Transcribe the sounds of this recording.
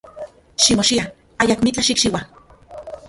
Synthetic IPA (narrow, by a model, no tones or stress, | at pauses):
ʃimoʃia | ajakmit͡ɬaʃikt͡ʃiwa